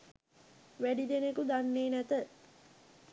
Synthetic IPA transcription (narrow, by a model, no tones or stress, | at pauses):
ʋæɖid̪enekud̪anːeːnæt̪ə